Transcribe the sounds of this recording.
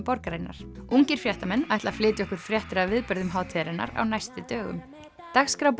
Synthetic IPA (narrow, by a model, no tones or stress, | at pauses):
pɔɾkɾajnːa̰ɾ̥uŋcɪɾ̥fjɛht̪amɛnːajht̪laflɪːt̪ɪɔhkʏɾ̥fɾjɛht̪ɪɾavɪðpœɾðʏmɦaːwt̪ʰɛɾɪnːa̰ɾa̰wnajst̪ɪt̪œːɣʏ̰m | t̪axskɾawp